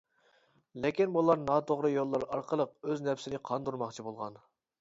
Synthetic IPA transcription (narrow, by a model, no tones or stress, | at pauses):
lɪkʲinbulˠɑɾnɑt̪ʰoʁɾɨjolˠːɑɾɑɾqʰəlˠəq̚øznɛpsɪnɪqʰɑnd̪uɾmɑχt͡ʃʰibolˠʁɑn